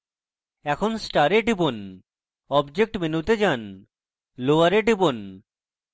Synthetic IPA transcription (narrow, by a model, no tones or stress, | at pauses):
ɛkʰonsʈaɾeʈibon | ɔbd͡ʑek̚ʈmenut̪ed͡ʑan | loaɾeʈibon